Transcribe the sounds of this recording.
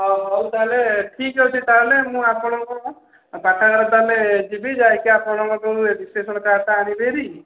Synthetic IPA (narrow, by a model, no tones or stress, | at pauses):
ɔɔwt̪aɦeleʈʰikɦewt͡ʃʰit̪aɦelemũapɔɽ̃ɔ̃ŋkɔ | paʈʰanɔd̪aled͡ʒibid͡ʒajkeapɔɽ̃ɔ̃ŋkɔkeuebislesɔɽɔkat̪aːñileɾi